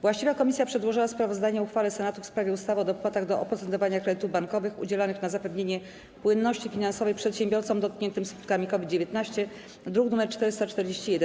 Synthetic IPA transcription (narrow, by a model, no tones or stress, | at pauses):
vwaɕt͡ɕivakɔmʲisjapʂɛd̪wɔʐɘwaspɾavɔzd̪aɲɛuxfalɛsɛnat̪ufspɾavʲjɛust̪avɔd̪ɔpwat̪aɣd̪ɔʔɔpɾɔt̪sɛnt̪ɔvaɲakɾɛd̪ɘt̪uvbaŋkɔvɘxṵd͡ʑɛlanɘxnazapɛvɲeɲɛ | pwɘnːɔɕt͡ɕifʲinansɔvɛjpʂɛt̪ɕɛmbʲjɔɾt̪sɔmd̪ɔt̪̚kɲɛnt̪ɘmsku̥t̪̚kamʲikɔvʲid̪̚d͡ʑevʲjet̪naɕt͡ɕɛ | d̪ɾuɡnumɛɾt͡ʂt̪ɛɾɘst̪at͡ʂt̪ɛɾd͡ʑeɕt͡ɕijɛd̪ɛ